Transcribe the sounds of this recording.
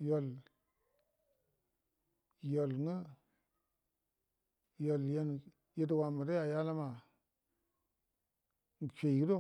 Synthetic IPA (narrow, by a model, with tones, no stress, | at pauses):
jo˨l | jo˨lŋə˦ | jo˨lje˦n | ji˦t̬wa˨mə˨da˦ja˨ja˦la˦ma˨ | ŋ˨ʃe˨ki˦do˦